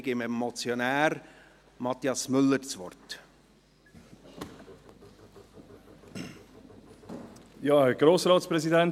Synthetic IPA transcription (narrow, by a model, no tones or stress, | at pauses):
ɡɪmɛmɔt͡sjonæːɾ | mɑt̪iɑsmʏlːəɾt͡sʋɔ̰rt | jɑːɡ̥ɾoːsɾɑːtspɾɛzidɛn